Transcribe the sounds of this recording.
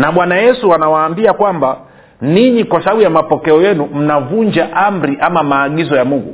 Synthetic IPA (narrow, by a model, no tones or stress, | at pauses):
naɓwanajɛsuanawaːmbiakwamba | niɲikwasaɓaɓujamapɔkɛɔjɛnum̩navuɲd͡ʒaʔam̩ɾiʔamamaːɠizɔjamuŋɡṵ